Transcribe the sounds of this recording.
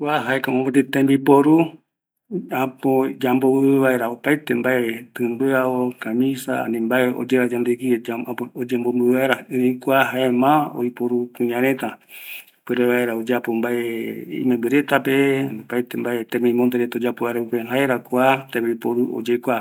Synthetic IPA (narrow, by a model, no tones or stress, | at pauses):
kʷaɦaekamõmot̪it̪ẽmbipoɾu | apod͡ʒamboβɨβaeɾaopait̪embaet̪ɨmbɨaokamĩsa̰a̰nĩmbaeo̰d͡ʒeɾad͡ʒand̪eɡiaod͡ʒembombɨβaeɾaɨĩkʷaɦaemão̰jpoɾukũɲãɾet̪a | pɨɾeβaeɾaod͡ʒeapombaeḭmẽmbɨɾet̪apeopajt̪embaet̪ẽmĩmond̪eɾet̪aod͡ʒapoβaeɾaupeɦaeɾakʷat̪ẽmbipoɾuo̰d͡ʒekʷa